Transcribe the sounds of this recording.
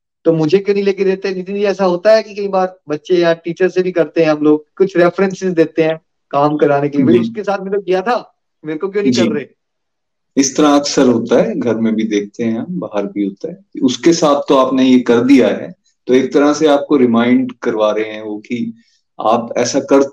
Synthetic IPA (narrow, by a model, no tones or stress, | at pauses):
t̪omʊd͡ʒʱekjoːnɦĩleːk̬ed̪eːt̪eɦɛ̃d͡ʒɪt̪neiɛːsaɦoːt̪aɦɛkikɐibaːɾbɐtːʃejaʈiːt͡ʃəɾsebʱikɐɾt̪eɦɛ̃ɦɐmloːɡ̚kʊt͡ʃʰɾɛːfɾɛ̃nsɪzd̪eːt̪eɦɛ̃ː | kaːmkɐɾaːnekeliebɐiʊskesaːt̪ʰmeːt̪̚kijat̪ʰa | meːɾkok̬jõːnɐĩkɐbɾɐeː | ɪst̪ɐɾãɐksəɾɦoːt̪aɦɛːɡʱɐɾmẽbʱid̪eːk̚ʰt̪eɦɛ̃ãbaːɦəɾbʱiɦoːt̪aɦɛːkiʊskesaːt̪ʰt̪oaːpnejekɐɾd̪ijaɦɛ̰ː | t̪oːeːk̚t̪ɐɾaseaːp̚koɾɪmãːɪ̃ɳɖkɐɾʋaːɾeɦeɦɛ̃ʋoːki | a̰ːpɛ̰ːsakɐɾ